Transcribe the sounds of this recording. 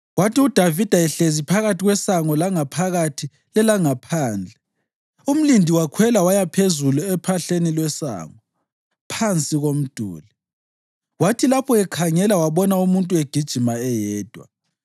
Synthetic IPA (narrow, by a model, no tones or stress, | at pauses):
watʰiud̥ʱavid̥ʱajɛɬezipʰaɣatʰiɣwɛsaŋɔlaŋapʰaɣatʰi | lɛlaŋapʰaːnd͡ɮʱɛ | um̩lindʱiwakʰwɛlawajapʰezuluɛpʰaɬenilwɛsa̰ːŋɔ | pʰant͡sʼiɣom̩d̥ʱṵːli | watʰilapʰɔɛkʰaŋɛlawaβɔnaumuntʼueɡ̥ʱid̥ʒ̥ʱimaɛjɛːd̥ʱwa̰